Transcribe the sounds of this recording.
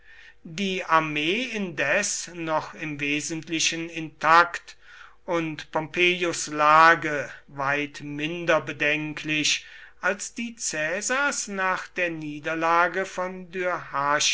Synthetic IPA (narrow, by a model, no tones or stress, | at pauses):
diːʔaɐmeːɪndɛsnɔχɪmveːzəntlɪʃənɪntʰakt | ʔʊntpʰɔmpʰeːjʊslaːɡəvaɪtmɪndɐbədɛŋkʰlɪʃʔalsd̥iːt͡sɛːzaɐsnaːχd̥eːɐniːdɐlaːɡəfɔndyɐhaːʃ